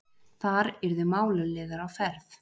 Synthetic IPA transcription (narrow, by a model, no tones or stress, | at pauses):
θaɾɛɾðʏmaːwlʏlɪːðaɾawfɛɾθ